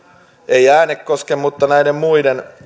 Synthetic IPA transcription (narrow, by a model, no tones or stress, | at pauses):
eijæːnekkoskemmut̪ːɑnæidemmuiden